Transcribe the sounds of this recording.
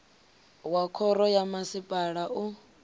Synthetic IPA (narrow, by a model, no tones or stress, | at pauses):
wakʰɔɾɔjamasipʼaɺaʔu